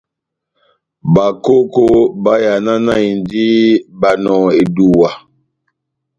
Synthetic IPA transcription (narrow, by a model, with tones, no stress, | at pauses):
ba˨ko˦ko˦ba˦ja˨na˦na˦i˨ndi˦ba˨nɔ˨e˨du˨wa˨